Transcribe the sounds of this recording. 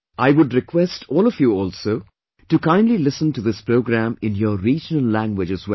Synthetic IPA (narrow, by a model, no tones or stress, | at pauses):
ʔaɪwʊɖɾɪkʰwɛstʰɔːlɔfjuɔːlsoː | ʈukãɪ̃ndlilɪsə̃ntuðɪspɾoʊɡɾæ̃mɪ̃njəɾiːd͡ʒənəlːæ̃ŋɡwɪd͡ʒɨzwɛ